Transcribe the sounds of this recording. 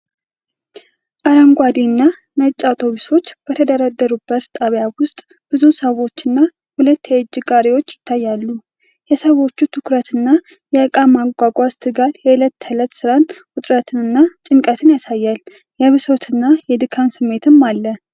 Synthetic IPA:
ʔaɾəŋɡʷad̪inːa | nət͡ʃʼːawt̪ʰo̞βiso̞t͡ʃːb̥ət̪ʰəd̪əɾad̪ːəɾubːət̪t̪ʼaβjawʊst̪ʼ | b̥ɨzusəwo̞t͡ʃːɨnːa | hulət̪ːjɛɨd͡ʒːɪɡʼaɾewo̞t͡ʃːjɪt̪ʰːajːalːu | jɛsəβo̞t͡ʃːut̪ʰɨkɾət̪ʰɨnːa | jɛəkʼamaɡʷaɡʷʼast̪ʰɨɡat̪jɛɨlət̪ʰːələt̪sɨɾanhʊt̪ʼɾət̪ʰɨnɨnːat͡ʃʼɪŋkʼət̪ʰɨnjasajːal | jɛβɨso̞t̪ʰɨnːajɛd̪ɨkʰansɨmːe̞t̪ʰɨmːalːə

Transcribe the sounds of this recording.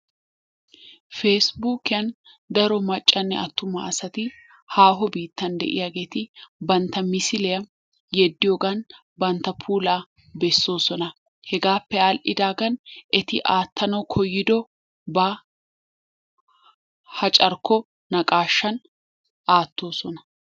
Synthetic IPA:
fe̞ːsbuːkɪjɐn | d̪ɐɾɔmɐt͡ʃʼːɐnːɛ̰ʔɐt̪ːʊmɐ̰ːsɐt̪ɪ | haːɦɔbiːt̪ːɐnd̪ɛ̰ʔɪ̰jaːɡe̞ːt̪ɪbɐnt̪ːɐmɪsɪlɛjɐ | jɛd̪ːɪjoːɡɐn | bɐnt̪ːɐpʰuːlaː | bɛsːo̞ːsɔnɐ | hɛɡaːpːɛalʔɪd̪aːɡɐnʔɛt̪ɪʔaːt̪ːɐnɐwkʰɔjːɪd̪ɔ | bɐ | hɐt͡ʃʼɐɾkɔ | nɐkʼaːʃːɐn | aːt̪ːo̞ːsɔnɐ

